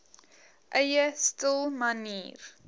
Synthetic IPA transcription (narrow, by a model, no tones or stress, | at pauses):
ʔəjəstəlˠmɐniːr